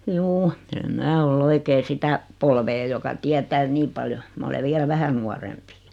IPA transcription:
juː em mæː ol oikeː sitæ polʋeː jokɑ tiætæː niː pɑljo mɑ ole ʋielæ ʋæhæ nuɑrempi

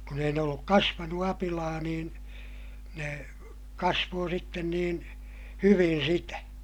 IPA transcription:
kun ei ne olːuk kɑsʋɑnu ɑpilɑː niːn ne kɑsʋoː sitːen niːn hyʋin̞ sitæ

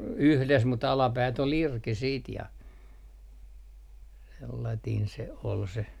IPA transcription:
yhles mut ɑlɑpæːt ol irki siːt jɑ selːɑtiːn se ol se

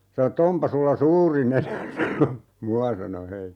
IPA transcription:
sɑno tː ompɑ sulːɑ suːri nenæ sɑno muɑ sɑno he

